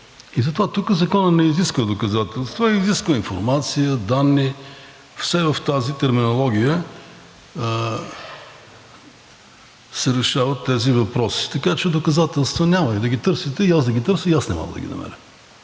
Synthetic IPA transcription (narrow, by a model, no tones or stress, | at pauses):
izɐt̪ovat̪ukəzɐkɔnənɛiziskvəd̪okɐzat̪ɛlˠst̪ovaiziskvəinfoɾmat̪sijəd̪anːi | fsɛvəft̪azit̪ɛɾminolˠɔɡʲijə | sɛɾɛʃavət̪ːɛzivɐpɾɔsi̥t̪ɐkat͡ʃɛd̪okɐzat̪ɛlˠst̪vənʲaməid̪ɐɡʲit̪ɤɾsit̪ɛiazd̪ɐɡʲit̪ɤɾsəiasnɛmɔ̰ɡˠd̪ɐ̰ɡʲḭnɐ̰mɛ̰ɾʲə̰